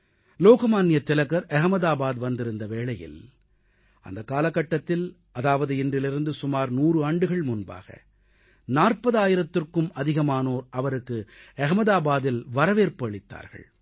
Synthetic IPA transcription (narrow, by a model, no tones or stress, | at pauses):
loːɣɐmaːnɪjɐt̪ːɪlɐɣɐɾʔɛɣɐmɐðaːbaːðʋɐnd̪ɪɾɯnd̪ɐʋeːɭɐjɪ̰l | ʔɐ̰nd̪ɐkːaːlɐkːɐʈːɐt̪ːɪl | ʔɐðaːʋɐðɯɪndrɪlɪɾɯnd̪ɯsʊmaːɾnuːrɯaːɳɖɯɣɐɭmʊnba̰ːɣɐ̰ | naːrpɐðaːjɪɾɐt̪ːɯrkːɯmɐðɪɣɐmaːnoːɾʔɐʋɐɾɯkːɯɛɣɐmɐðaːbaːðɪlʋɐɾɐʋeːɾpɐɭɪt̪ːa̰ːɾɣɐ̰ɭ